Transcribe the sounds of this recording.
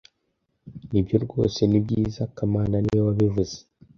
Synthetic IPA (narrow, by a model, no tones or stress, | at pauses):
nibɟo̞ɾɡo̞ːse̞nibɟiːzakamaːnaniwaβivuz̥e̥